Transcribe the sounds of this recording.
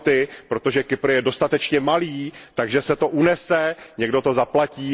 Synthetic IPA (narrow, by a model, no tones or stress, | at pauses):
t̪ɪpɾo̞t̪oʒɛkɪpɾ̩jɛdo̞st̪at̪ɛt͡ʃɲɛmaliːt̪aɡʒɛsɛt̪o̞ʔunɛsɛɲɛɡdo̞t̪o̞zaplaciː